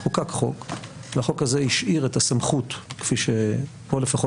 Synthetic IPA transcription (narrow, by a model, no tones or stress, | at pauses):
χukakχo̞kveaχo̞khazeiʃʔiʁetasamχutkfiʃe | po̞lefaχo